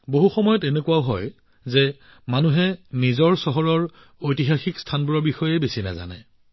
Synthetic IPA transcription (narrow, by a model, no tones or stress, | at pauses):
boɦuxɔmɔjɔtenekuwaʊɦɔ̰j | zɛ | manuɦɛnizɔɹsɔɦɔɹɔɹ | ojtiɦaxikstʰanbuɹɔɹbixɔjejbesina̰za̰nɛ̰